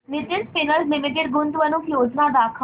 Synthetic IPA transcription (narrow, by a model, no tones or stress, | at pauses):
nɪtɪnspɪnəllɪmɪʈ̬eɖ̚ɡʊnd̪ʋənũkjoːd͡ʒnaːd̪aːkʰ